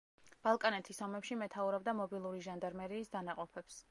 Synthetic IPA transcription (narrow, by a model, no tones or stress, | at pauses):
b̥alˠkʼanɛt̪ʰisɔmɛpʃimɛt̪ʰauɾɔb̚d̪amɔbilˠuɾiʒand̪aɾmɛɾiːsd̪anaqʼɔpʰɛps